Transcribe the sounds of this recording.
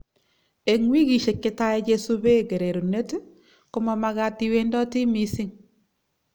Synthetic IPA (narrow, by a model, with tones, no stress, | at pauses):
e˨ŋwi˦ki˨ʃe˨kːɪ˦ta˦ɛ˦d͡ʒe˦su˦be˦ke˨ɾe˨ɾu˨ne˦t | kʊ˦mɔ˨ma˦ɣa˦ti˦we˦ndɔ˦ti˦mi˦sɪ˦ŋ